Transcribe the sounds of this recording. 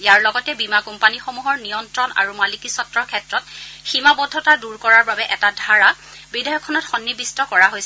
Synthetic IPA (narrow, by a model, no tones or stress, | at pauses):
jaɹlɔɡɔtɛbimakumpanixɔmuɦɔɹnijɔntɹɔna̰ɹumalikisɔtɹɔkʰɛtɹɔt̚ximabɔdʱɔtaduɹkɔɹaɹbabɛʔɛtadʱaɹabidʱɔjɔkʰːɔnɔtxɔnːibistɔkɔɹaɦojsɛ